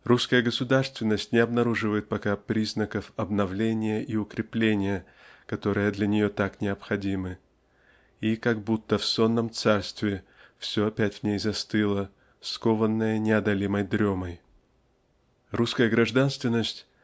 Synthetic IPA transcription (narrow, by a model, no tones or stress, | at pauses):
ruskəjəɡəsʊd̪arst̪vʲɪnːəsʲtʲnʲɪɐbnɐɾuʐɨvəjɪt̪̚pɐkapɾʲiznəkəfɐbnɐvlʲenʲɪjəʔiʊkɾʲɪplʲenʲɪjə | kɐt̪o̞ɾɨjəd̪lʲɐnʲɪjo̞t̪aknʲɪɐpxɐdʲimɨ | ikaɡ̚but̪ːəfso̞nːəmt̪sarst̪vʲɪfsʲoɐpʲætʲvnʲejzɐst̪ɨlˠə | sko̞vənːəjənʲɪɐd̪ɐlʲiməjd̪ɾʲoməj | ruskəjəɡɾɐʐd̪anst̪vʲɪnːəsʲtʲ